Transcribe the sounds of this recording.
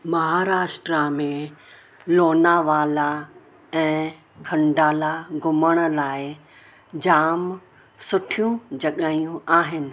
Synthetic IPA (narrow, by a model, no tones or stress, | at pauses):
mɐɦaːɾaːʃʈɾamẽ | loːnaʋaːla | ɛ̃ː | kʰɐ̃ɳɖaːlaɡʊməɽ̃̆laːɪ | d͡ʑaːm | sʊʈʰijũd͡ʑɐɠaːijũaːɦɪnɪ̆